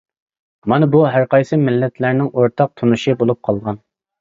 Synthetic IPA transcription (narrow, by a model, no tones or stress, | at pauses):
mɑnɨbuɦæɾqɑjsɨmɪlːɛt̪ʰlæɾnɪŋʔoɾt̪ʰɑq̚t̪ʰunuʃibolˠup̚qʰɑlˠʁɑn